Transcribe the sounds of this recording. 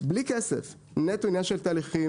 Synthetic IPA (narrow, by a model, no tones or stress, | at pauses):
blikɛsḛf | net̪unjaʃelt̪aːliχi